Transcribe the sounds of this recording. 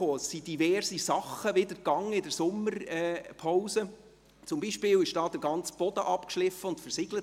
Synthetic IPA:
oːsid̥ivɛrzisɑχəʋɪdəɾkɑŋːəɪdəɾsʊmːəɾɛːpʰawsə | t͡sʊmbiːʃpɪːwɪʃd̥ɑːd̥̪əɡɑnt͡sb̥ɔd̥əʔɑpkʃlɪfəʊntfɛrsɪɡlət

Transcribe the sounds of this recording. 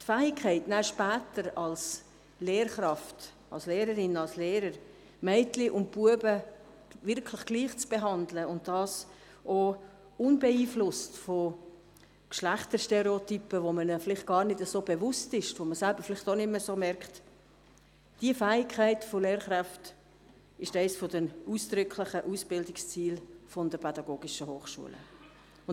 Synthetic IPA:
tfæːɪkʰːɛɪtnæʃpæːtəɾɑls | leːɾχɾɑft | ɑlsleːɾəɾɪnɑlsleːɾəɾ | mɛɪtlɪʔʊnt̚puəbə | vɪɾkʰlɪχɡ̥liːχt͡sb̥eɦɑndləʊnt̚d̥ɑːs | ʔo | ʊnbɛiːflʊstfo | kʃlæχtəʃtɛɾɛotypəʋomənəfɪlɪχt̚ɡ̥ɑːɾnɪdəzoːbɛvʊstɪʃvoməsælbəɾfɪlɪχtonɪmːəsoːmɛɾkt | d̥iəfæːɪkʰæɪtfɔleːɾχɾæft | ɪʃtæɪsfɔdənusd̥ɾʏkʰlɪχəʔusb̥ɪldɪkst͡siːlfɔndəpʰɛdɑɡoːɡɪʃəɦoːχʃṵələ̰ | ʊn

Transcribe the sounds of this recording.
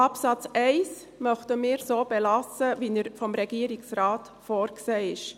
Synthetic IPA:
ɑpsɑt͡sɛɪs | mœχtəmɪːɾsoːb̥ɛlɑsəvinəɾfɔmɾɛɡiəɾiksɾɑːt | fɔːɾkseːɪʃ

